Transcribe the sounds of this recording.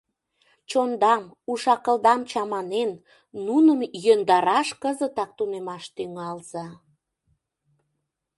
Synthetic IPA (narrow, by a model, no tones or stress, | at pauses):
t͡ɕond̪ɑm | uʃɑkəld̪ɑmt͡ɕɑmɑnenː | unəmjønd̪ɑɾɑʃkəzət̪ɑk̚t̪unemɑʃt̪yŋɑlz̥ɑ